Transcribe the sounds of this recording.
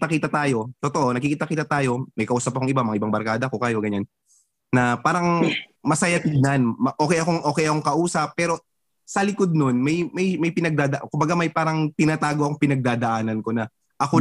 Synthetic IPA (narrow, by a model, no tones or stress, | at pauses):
t̪ɐkiːt̪ɐt̪aːjo̞t̪ot̪o̞ʔo̞nɐɡkikiːt̪ɐkiːt̪ɐt̪aːjo̞mɐjkɐʔuːsɐpːɐkoŋʔɪbamɐŋʔɪbaŋbɐɾkaːd̪ɐko̞kajo̞ɡɐɲanː | ɐpaːɾɐŋmɐsajɐt̪inɐnmɐʔoːkɛjʔɐkoŋʔo̞ːkɛjɐkoŋkɐʔuːsɐpːɛːɾo̞ | sɐlɪkod̪̚no̞nmɐjmɐjmɐjpɪnɐɡ̚d̪aːd̪ɐʔkʊmbɐɡamɐjpaːɾɐŋpɪnaːt̪aːɡoʔɐkoŋpɪnɐɡ̚d̪aːd̪ɐʔaːnɐnko̞nɐ | ʔɐko